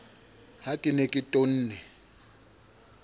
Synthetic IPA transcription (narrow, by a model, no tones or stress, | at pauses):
hakʼɪnekʼɪtʼon̩ːnɛ